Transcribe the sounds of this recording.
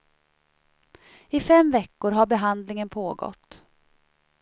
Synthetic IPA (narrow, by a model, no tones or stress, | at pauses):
ɪfɛmvɛkːʊɾɦaɾbɛɦand̪lɪŋənpʰoːɡɔ̰t̪ː